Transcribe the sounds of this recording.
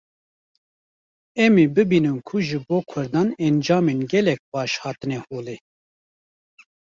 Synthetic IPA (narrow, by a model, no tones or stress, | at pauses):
ɛmibɨbiːnɨnkʰuʒɨboːkʰʊɾd̪ɑːnɛnd͡ʒɑːmeːnɡɛlɛk̚pɑːʃhɑːt̪ɨnɛhoːleː